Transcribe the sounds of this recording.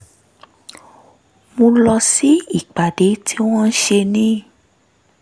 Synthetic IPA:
mõ˧lɔ˧si˦i˦˨k͡pa˨de˨˦ti˦w̃ɔ̃˦n̩˦ʃe˧nĩ˦

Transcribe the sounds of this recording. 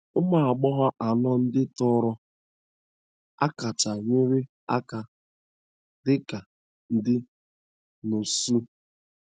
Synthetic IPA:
ʊ˦ma˨a˨ɡ͡bɔ˦ɦa˦ʔa˨nɔ˦n̩˦dɪ˦tɔ˦ɾɔ˦ | a̰˦ka˨t͡ʃa˨ɲɪ˦ɾɪ˦ | a˦ka˨ | dɪ˦ka˨ | n̩˦dɪ˦ | no˨su˦

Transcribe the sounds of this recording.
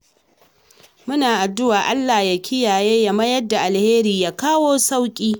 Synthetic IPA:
mʊ˦naː˨ʔa˨dʊ˦waː˨ʔa˦lːa˨ja˨kʰʲɪ˦jaː˨jeː˦ja˦mɐ˦jɐ˦dːa˨ʔa˨lheː˦ɾiː˨jaː˦kaː˦woː˦sa˦wkʲʼiː˦

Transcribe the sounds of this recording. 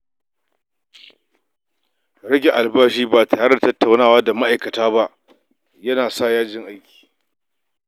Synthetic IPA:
ɾɐ˦ɡʲe˨ʔa˨lbaː˦ʃiː˦baː˨ta˨a˦ɽɐ˦˨tɐ˦tːa˨wnaː˦˨waː˦da˨ma˦ʔa˨jkɐ˨taː˦ba˦ʔ | jɐ˦naː˨saː˦˨jaː˦d͡ʒɪ˦ŋʔa˦jkʲi̥ː˨

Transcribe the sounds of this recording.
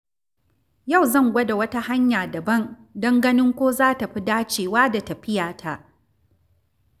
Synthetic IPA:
ja˦˨wzɐ˦˨ŋɡʷɐ˦da˨wɐ˦ta˦ha˦ɲjaː˨dɐ˨bɐ˦˨n | dɐ˦ŋɡɐ˦nɪ˦ŋkʷoː˦zaː˦ta˨ɸi˦daː˦t͡ʃeː˨waː˦da˨tɐ˨ɸɪ˦jaː˨tʰa˨ʔ

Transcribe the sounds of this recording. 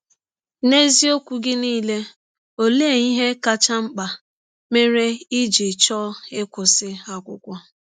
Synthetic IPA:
ne˦zi˦o˦kʷu˨ɡɪ˦niː˦le˦ | o˨le˦e˦˨i˦ɦe˦ka˦t͡ʃa˦ŋ͡m̩˦k͡pa˨ | me˦ɾe˦i˦d͡ʒi˨t͡ʃɔ˦ɪ˦kʷʊ˨sɪ˦a˦kʷʊ̰˨kʷa˦

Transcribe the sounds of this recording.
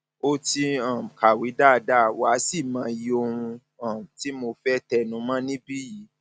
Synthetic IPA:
o˦ti˧ã˨ka˨wi˨˦da˦˧da˦˨wa˨˦si˦˨mãː˨˧ji˦o˧hũ˧ | ã˨m˨ti˨˦mo˧fɛ˦tɛ˧nũ˨˦mã˦nĩ˦bi˦ji˨˦

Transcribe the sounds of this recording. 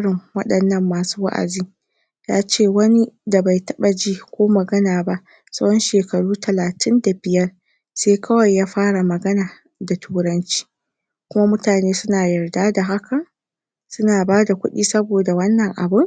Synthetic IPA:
ɽɪ˨ŋwɐ˦ɗɐ˨nːɐ˦mːaː˨suː˦wa̰˦ʔa̰˨ziː˦ | jaː˦t͡ʃeː˦˨wɐ˦ni˦da˨ba˨jtɐ˦ɓa˨d͡ʒiː˦kʷoː˦mɐ˨ɡɐ˦naː˨ba˦ʔ | sɐ˦wɽɔ˦nʃeː˨kɐ˨ɽuː˦tʰɐ˨laː˨tɪ˦nda˨bɪ˨jɐ˦r | seː˦kʰɐ˦wɐ˨jːaː˦ɸaː˦ɽa˨mɐ˨ɡɐ˦naː˨ | da˨tʰuː˦ɽɐ˦nt͡ʃi̥ː˦ | kʷʊ˦ma˦mʊ˦taː˨neː˦sʊ˦naː˨jɐ˨rdaː˦da˨ɦa˦ka˨ | sʊ˦naː˨baː˦da˨kʷʊ̰˦ɗiː˦sɐ˦boː˨da˨wɐ˦nːɐ˨ŋʔa̰˨bʊ˦ŋ

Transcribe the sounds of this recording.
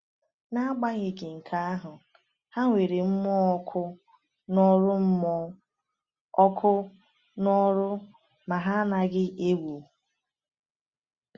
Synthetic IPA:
na˦a˦ɡ͡ba˦ɣe˨kɪ˨ŋ̩˨kʰa˦a˦ɦʊ˨ | ha˦ŋʷe˨ɾe˨m̩˦mɔ˦kʰʊ˦ | nɔ˦ɾʊ˦m̩˦m˦ | ɔ˦kʰʊ˦ | nɔ˦ɾʊ˦ | ma˨ɦa˦na˨ɡɪ˦ʔe˦wu˨

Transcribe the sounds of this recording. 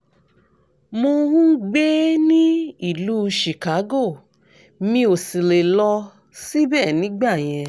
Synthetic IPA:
mo˧ɾũ˦ɡ͡be˦nĩ˦i˦˨lu˦ʃi˨ka˨˦ɡo˦˨ | mĩ˧˦o˨si˨le˨lɔ˧ | si˦bɛː˦˨nĩ˨˦ɡ͡ba˦˨j̃ɛ̃˧

